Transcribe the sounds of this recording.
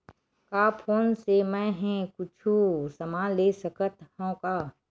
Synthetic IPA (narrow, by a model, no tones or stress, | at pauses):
kaːpʰoːnsemɛ̃ɦɛ̃kʊt͡ʃʰusəmaːleːsəkət̪hõːkaː